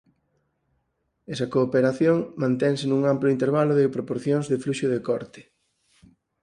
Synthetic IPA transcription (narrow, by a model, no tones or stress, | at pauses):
ɛsɐkoːpeɾaθjoŋmãnt̪ɛŋsɪnũŋamplʊint̪eɾβalʊðɪpɾopoɾθjoŋzðɪfluʃoðekɔɾt̪ɪ̥